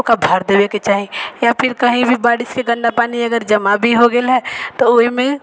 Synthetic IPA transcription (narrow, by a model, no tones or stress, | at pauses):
kabʱəɾd̪eːweket͡ʃaːɦijapʰɪɾkɐɦĩbʱibaːɽɪskeɡə̃ɳɖapaːniɐɡəɾd͡ʒɐmabʱiɦoɡɐɪlɦɛːt̪oʊmẽ